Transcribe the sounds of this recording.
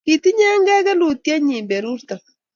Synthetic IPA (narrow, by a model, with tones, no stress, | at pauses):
ki˨t̪i˦ɲɛ˦ŋɡɛ˦kɛ˦lu˨t̪̚kʲɛ˦ɲi˨mbɛ˨ɾu˦ɾt̪a˨